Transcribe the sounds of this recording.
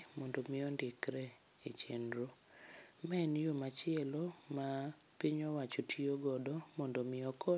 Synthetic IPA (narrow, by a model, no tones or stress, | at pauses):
mɔndomɪɔndɪkɾɛ | et͡ʃenɾo | mɛnjomat͡ʃɪɛloma | pɪɲɔwat͡ʃotʰioɡɔdɔmɔndomɪɔkʰɔ